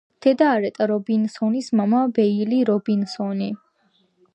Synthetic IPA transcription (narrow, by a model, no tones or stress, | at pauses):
d̪̥ʰɛd̪aːɾɛt̪ʼaɾɔbinsɔnismamabɛiliɾɔbinsɔni